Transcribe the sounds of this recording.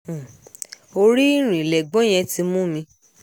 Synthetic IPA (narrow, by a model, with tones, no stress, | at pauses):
o˧ɾi˦ɾ̃ĩ˨lɛ˨ɡ͡bɔ̃˦j̃ɛ̃˧ti˧mũ˦mĩ˧